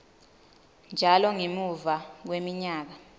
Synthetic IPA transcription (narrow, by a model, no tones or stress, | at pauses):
nd͡ʒʱalɔŋemuvak̬wemiɲaːk̬a